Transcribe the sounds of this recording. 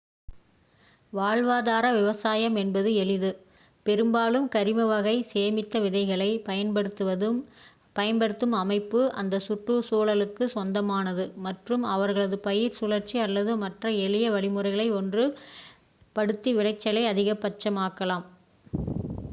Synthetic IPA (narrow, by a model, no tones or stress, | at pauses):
ʋaːɻʋaːðaːɾɐʋɪʋɐsaːjɐmɛnbɐðɯɛɭɪðɯ | pɛɾɯmbaːlɯmkɐɾɪmɐʋɐɣɐɪseːmɪt̪ːɐʋɪðɐɪɣɐɭɐɪpɐjɐnbɐɽɯt̪ːɯʋɐðɯ | pɐjɐnbɐɽɯt̪ːɯmɐmɐɪpːɯʔɐ̰nd̪ɐsʊʈrusuːɭɐlɯkːɯsɔnd̪ɐmaːnɐðɯmɐʈrɯmɐʋɐɾɣɐɭɐðɯpɐjɪɾsʊlɐɾt͡ʃiɐlːɐðɯmɐʈrɐɛɭɪjɐʋɐɭɪmɯrɐɪɣɐɭɐɪɔndrɯ | pɐɽɯt̪ːiʋɪɻɐɪt͡ʃːɐlɐɪɐðɪɣɐpːɐt͡ʃːɐmaːkːɐlaːm